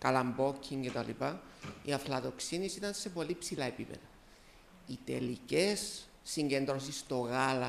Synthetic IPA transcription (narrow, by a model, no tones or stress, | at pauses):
kɐlɐmbo̞cʰːiŋcet̪ɐlḭpɐiɐflɐðo̞ksinisit̪ɐnse̞po̞lipsilɐe̞pipḛðɐ | it̪e̞̰lice̞sː | iɲɟe̞nd̪ɾos̬ist̪o̞ɣalɐ